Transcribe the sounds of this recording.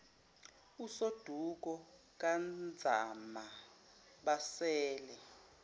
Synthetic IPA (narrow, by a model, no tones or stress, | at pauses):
usod̥ʱuk̬ɔ | k̬ʼand͡zʱa̰ma | ɓasɛːlɛ